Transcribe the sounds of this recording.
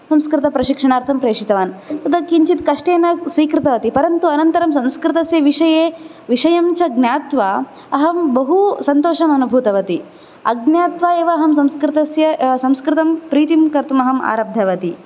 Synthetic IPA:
sɐmskɾɪt̪ɐpɾɐʃikʂɐɳaːɾt̪ʰɐmpɾeːʂit̪ɐʋaːnt̪ɐd̪ɐkːiɲt͡ʃit̪kɐʂʈeːnɐsʋiːkɾɪt̪ɐʋɐt̪ipɐɾɐnt̪uɐnɐnt̪ɐɾɐmsɐ̃mskɾɪt̪ɐsjɐʋiʂɐjeː | ʋiʂɐjɐmt͡ʃɐɡnjaːt̪ʋaː | ɐɦɐmbɐɦusɐnt̪oːʂɐmɐnubʱuːt̪ɐʋɐt̪i | ɐɡnjaːt̪ʋaːeːʋɐːɦɐmsɐmskɾɪt̪ɐsjɐsɐmskɾɪt̪ɐmpɾiːt̪imkɐɾt̪umɐɦɐma̰ːɾab̚d̪ʱjɐʋɐt̪i

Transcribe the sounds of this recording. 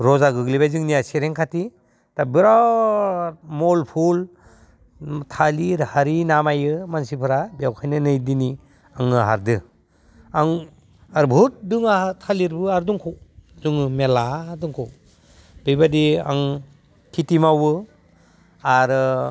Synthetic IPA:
ɾɔzaɡɯɡlibajzɯŋnijasiɾeŋkʰati | tabiɾaw | molpʰul | tʰaliɾhaɾinamajɯmansipʰɯɾabijawkʰajnɯnɯjdini | aŋɯɦa̰ɾdɯ | aŋ | aɾbʱut̚dɯŋatʰaliɾbɯaɾduŋkʰɔwzuŋɯmeladuŋkʰɔw | b̥ijbadia̰ŋ | kʰitimawɯ | aɾɯ

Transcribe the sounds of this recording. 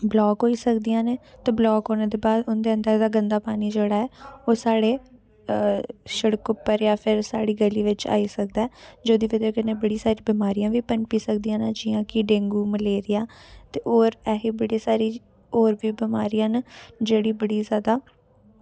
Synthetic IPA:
blɔːɡɦoːiːsəkd̪ijãːneːt̪eːblɔːɡɦoːnẽːd̪eːbaːd̪ʊnd̪eːənd̪əɾd̪aːɡənd̪aːpaːniːd͡ʒeːɽaːɛːoːsaːɽeː | ʃəɽkʊpːəɾjaːpʰɪɾsaːɽiːɡəliːʋɪt͡ʃa̰ːiːsək̚d̪aɛːd͡ʒoːd̪iːʋɪd̪eːkɪnẽːbəɽiːsaːɾĩːbɪmaːɾijãːʋiːpəɳpiːsəkd̪ijãːnad͡ʒɪːãːkɪɖẽːŋɡuːməleːɾɪjãːt̪eːʔoːɾɛːɦiːbəɽiːsaːɾiː | oːɾʋiːbɪmaːɾijãːnd͡ʒeːɽiːbəɽiːzjaːd̪aː

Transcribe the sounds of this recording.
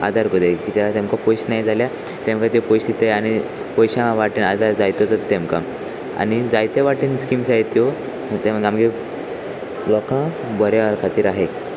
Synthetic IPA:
a̰d̪ʱaɾkud̪ejkit̪at̪emkapɔjɕnajd͡zʱalja | t̪ẽmkãt̪jopɔjsit̪ajaɽ̃i | pɔjɕãʋaʈinad̪aɾd͡zajt̪ot͡sat̪t̪ːemkã̰ | a̰ñid͡zajt̪eʋaʈinskimsait̪jo | t̪eɡamɡe | lɔkã | bɔɾaʋaɾkʰat̪iːɾaɦe

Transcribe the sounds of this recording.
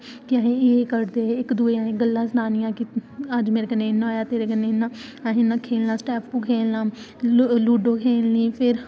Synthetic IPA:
k̪ɪaːɦẽːeːkəɾd̪eːɪkd̪uːeãːẽːɡəlːãːsənaːnɪjãːkɪəd͡ʒmeːɾeːkənːeːɪnːãoːjaːt̪eːɾeːkənːenãːaɦẽːnãːkʰeːlnãːsʈɛːpʰpũːkʰeːlnãː | luːɖõːkʰeːlnĩːpʰɪɾ

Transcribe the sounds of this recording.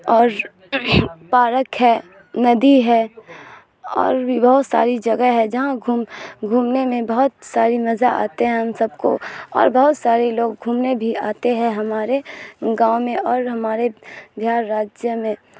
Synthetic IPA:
ɔːɾ | paːɾəkɦɛː | nɐd̪iɦɛ | ɔ̰ːɾbibɐɦʊt̪sa̰ːɾid͡ʒɐɡəɦɛd͡ʒɐɦãɡʱuːmɡʱuːmnemẽbɐɦʊt̪saːɾimɐzaa̰ːt̪eɦɛ̃ʊnsɐbko̰ɔ̰ːɾbɐɦʊt̪saːɾeloːɡ̚ɡʱuːmnebʱiaːt̪eɦɛ̃ɦɐmaːɾeɡãːmẽɔːɾɦɐmaːɾed̪ʱjaːɾːaːd͡ʒjəmẽ

